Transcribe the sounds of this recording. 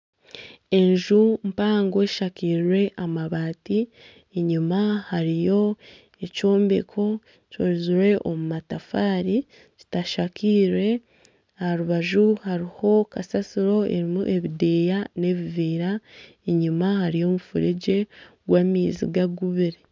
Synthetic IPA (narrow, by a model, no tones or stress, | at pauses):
e̞ɲʒumpaːŋɡo̞ʃakiːɾɾwe̞ʔamaβaːti | eɲumahaɾijo̞ | eco̞ːmbe̞kʰo̞ | coɾiziɾwe̞ʔomumatafaːɾi | ci̥taʃakʰiːɾwe̞ | ahaɾuβaʒuhaɾiho̞kasasiɾo̞e̞̰ɾimuʔe̞βidejane̞βiviːɾa | eɲumahaɾijo̞mufuɾeɟe̞ | ɡwaːmiːzḭɡaɡuβiɾe